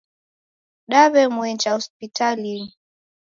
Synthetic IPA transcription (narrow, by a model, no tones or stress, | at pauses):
ɗaβɛmwɛnd͡ʒahɔspitalini